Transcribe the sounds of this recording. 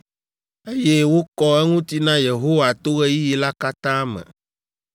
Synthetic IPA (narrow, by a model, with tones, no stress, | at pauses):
e˦je˦wo˦kɔ˦ɛ˦ŋũ˦t̪i˦nã˦je˨ɦo˦wa˨t̪o˦ɣɛ˦ji˦ji˨la˦ka˦t̪ã˦mɛ̰̃˨